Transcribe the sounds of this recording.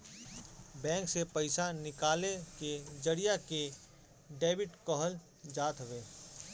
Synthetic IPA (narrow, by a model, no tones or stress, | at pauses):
bɛ̃ːŋksepɐɪsanɪkaːleked͡ʒəɽijake | ɖeːbɪʈkəɦəl | d͡ʒaːt̪ɦweː